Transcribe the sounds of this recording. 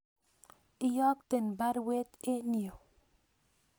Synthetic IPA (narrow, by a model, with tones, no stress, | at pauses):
i˦jɔ˦kt̪e˨nba˦ɾwe˦t̪e˦ni˨o˨